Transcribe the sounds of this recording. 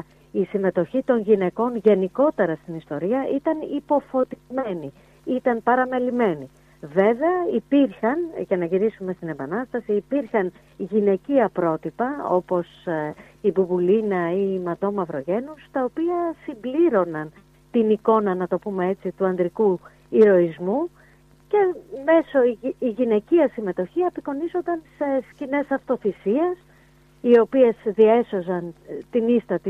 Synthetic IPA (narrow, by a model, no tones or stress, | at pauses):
isime̞t̪o̞çit̪o̞nʝine̞ko̞nʝe̞niko̞t̪e̞ɾɐst̪inist̪o̞ɾiɐʔit̪ɐnipo̞fo̞t̪izme̞ni | it̪ɐnpɐɾɐme̞lime̞ni | ve̞ve̞ɐipiɾçɐnʝɐnɐʝiɾisume̞st̪inembɐnɐst̪ɐsiːpiɾxɐn | ʝine̞ciɐpɾo̞t̪ipɐo̞̰po̞s | ibubulinɐimɐd̪o̞mɐvɾo̞ʝe̞nust̪ɐopiɐsimbliɾo̞nɐn | t̪iniko̞nɐnɐt̪o̞pumee̞t͡sit̪uɐnd̪ɾiku | iɾo̞izmu | ce̞me̞so̞iiʝine̞ciɐsime̞t̪o̞çiepiko̞nizo̞nd̪ɐnse̞scine̞sɐft̪o̞θisie̞s | io̞pie̞sðieso̞zɐnt̪inist̪ɐt̪i